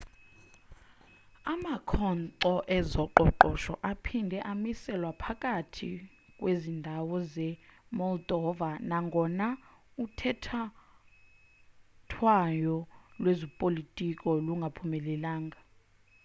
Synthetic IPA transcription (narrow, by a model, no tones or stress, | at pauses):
amakʰɔnǀɔʔɛzɔǃɔǃɔʃɔ̰ʔapʰindʱɛʔamisɛlwapʰakʼatʰi | kʼwezindʱawɔzɛmɔldɔvanaŋɡʱɔnautʰɛtʰa | tʰwajɔlwezipʼolitʼikʼɔluŋɡʱapʰumɛlɛlaːŋɡʱa